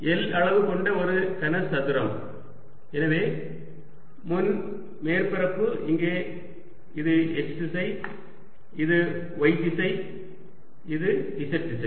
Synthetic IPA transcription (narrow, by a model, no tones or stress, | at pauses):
ɛlɐɭɐʋɯkɔɳɖɐɔɾɯkɐnɐsɐðɯɾɐm | ɛnɐʋeː | mʊn | meːɾpɪɾɐpːɯɪŋɡeː | ɪðɯʔɛt͡ʃsɪsɐɪ | ɪðɯ | ʋɐɪt̪ːɪsɐɪ | ɪðɯɖɪsɐʈːɪsɐɪ